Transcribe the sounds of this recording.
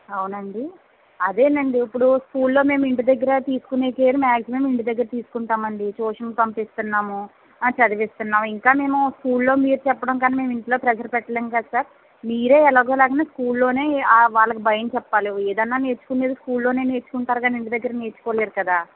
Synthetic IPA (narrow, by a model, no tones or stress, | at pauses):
ɐwunɐɳɖi | ɐd̪e̞ːnɐɳɖiipːuɽuskuːlːo̞ːme̞ːmiɳʈid̪ɐɡːɐɾɐt̪iːsu̥kuneːkeːɾumaːɡsimeːmiɳʈid̪ɐɡːɐɾɐt̪iːsu̥kuɳʈaːmɐɳɖit͡ʃoːʂɐnkpɐmpist̪unːaːmu | t͡ʃɐd̪iʋist̪unːaːmiŋkaːme̞ːmuskuːllo̞ːmiːɾut͡ʃɛpːɐɽɐmkaːnime̞ːmiɳʈilo̞ːpɾɛd͡ʒɐɾpɛʈːɐleːnkad̪saɾ | miːɾe̞ːɛlaːɡo̞ːlaːɡɐnaːskuːllo̞ːne̞ːaʋaːɭːɐkibʱɐjɐnt͡ʃɛpːaːlueːd̪ɐnːaːnet͡ʃːu̥kuneːd̪uskuːllo̞ːne̞ːneːt͡ʃːu̥kuɳʈaːɾukaniɳʈid̪ɐɡːɐɾɐneːt͡ʃːu̥koːleːɾukɐd̪aː